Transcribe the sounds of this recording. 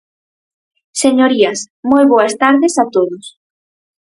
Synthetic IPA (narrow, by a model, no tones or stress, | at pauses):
seɲoɾiɐs | mojβoɐst̪aɾðesat̪oðʊs